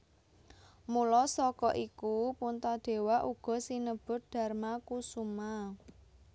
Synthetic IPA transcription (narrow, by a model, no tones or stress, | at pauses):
mulɔsɔkɔʔikupunt̪ad̪̥e̤waʔuɡ̥ɔ̤sinəb̥ʊ̤t̪̚d̪̥ä̤rmakusuma